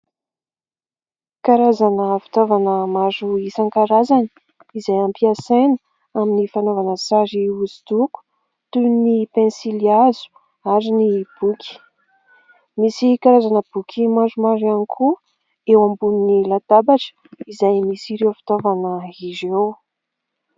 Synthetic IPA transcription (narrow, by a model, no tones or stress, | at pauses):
kaɾazanəfi̥t̪ovanəmaɾuisaŋkaɾazani̥ | izajampiasenə̥ | aminifanovanəsaɾiuzi̥d̪uku̥ | t̪unipẽnsiliazu̥ | aɾinib̥ukʰʲi̥ | misikaɾazanəb̥ukʲʰimaʐumaɾanikʰu | ewambuninilad̪̥abaʈ͡ʂə̥izajmisiɾewfi̥t̪ovanəizew